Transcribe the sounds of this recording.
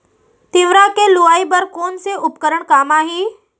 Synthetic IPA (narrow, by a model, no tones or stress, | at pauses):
t̪iʋɾakeluaibəɾkoːnseʔʊpkəɾəɳkaːmaːɦeː